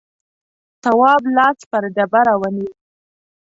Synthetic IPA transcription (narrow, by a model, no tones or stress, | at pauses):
t̪awɑblɑspəɾɖabaɾɑwani